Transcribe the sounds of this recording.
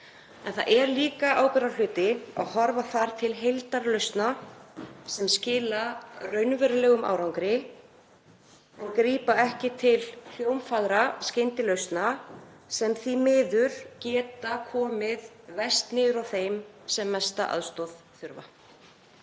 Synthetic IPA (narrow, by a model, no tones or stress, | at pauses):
ɛ̰nθa̰ðʔɛɾliːkaʔaːwkɛɾal̥ʏːt̪ɪa̰ɣɦɔɾvaθaɾ̥t̪ʰɪlɦejlt̪aɾlœɥst̪na | sɛmscɪːlarœɥnvɛɾɪlɛːɣʏmʔa̰wɾawŋkɾɪ | ɛnkɾiːpaɛhcɪt̪ʰɪll̥jowmfaɣɾascɪnt̪ɪlœɥst̪na | sɛmθimɪːðʏɾ̥cɛːt̪akʰɔːmɪð | vɛst̪nɪðʏɾawθejmsɛmːɛst̪a̰ʔa̰ðst̪ɔð̥ | θʏɾva̰